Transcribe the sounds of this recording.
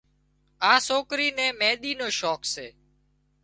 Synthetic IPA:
ãːsoːkɾiːnɛ̃ːmẽːɗ̪iːnoːʃoːkseː

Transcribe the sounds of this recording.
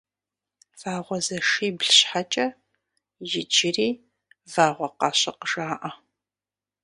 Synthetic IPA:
v̥aːʁʷɔzɐʂiːbɮɕħat͡ʃʼɐ | jɪd͡ʒɪriː | vaːʁʷɔqɑːɕʼɐqəʒaːʔɐ

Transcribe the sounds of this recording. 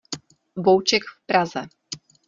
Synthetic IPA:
vowt͡ʃɛkfpɾazɛ

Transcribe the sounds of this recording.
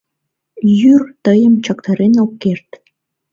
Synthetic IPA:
jyrt̪ɤjə̆mt͡ɕɑkt̪ɑɾenokert̪

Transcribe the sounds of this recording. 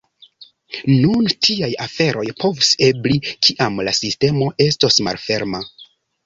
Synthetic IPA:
nuntʰiajafe̞ɾʔo̞jpʰo̞vuse̞blikʰiʔamlasiste̞mo̞ʔe̞stosma̰lfe̞ɾma

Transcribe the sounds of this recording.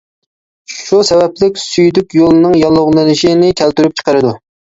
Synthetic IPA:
ʃusɛvɛplɪk̚ʲsyjd̪ykʲjolˠnɨŋjɑlˠːʊʁlˠɨnɨʃinɪkʲʰælt̪yɾyp̚t͡ʃʰə̥qəɾɨd̪u

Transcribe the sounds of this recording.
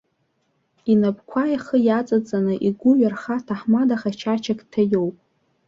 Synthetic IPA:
inapʼkʷʰajaχəjat͡sʼat͡sʼanɨʔiɡʷuɥarχatʰaħmadaχat͡ʃʰat͡ʃʰakʼtʰajowpʼ

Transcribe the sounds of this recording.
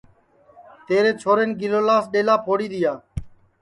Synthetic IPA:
t̪eːɾeːt͡ʃʰoːɾeːnɡɪloːlaːsɗeːlaːpʰoːɽiːɗ̪ɪjaː

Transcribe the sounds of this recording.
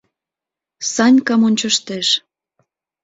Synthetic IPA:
sɑnʲkɑmonʲt͡ɕə̆ʃt̪eʃ

